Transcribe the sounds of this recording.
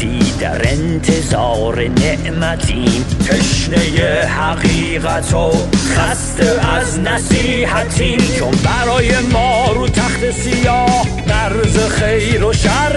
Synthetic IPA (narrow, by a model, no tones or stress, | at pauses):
iːd̪æ̰ɾent̪ʰezɒːɾeneʔmæt̪ʰiːnpʰeʃnejehæɣiːɣat̪ʰoχast̪ʰeaznæsiːhæt̪ʰiːnt͡ʃʰombæɾɒːjemɒːɾuːt̪ʰaht̪ʰesijɒːh | næɾzeχejɾoʃaɾ